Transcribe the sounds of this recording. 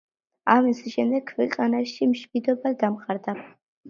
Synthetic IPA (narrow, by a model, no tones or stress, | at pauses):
amisʃɛmd̪ɛkkʰːwɛqʼanaʃimʃmid̪ɔbad̪amχaɾd̪a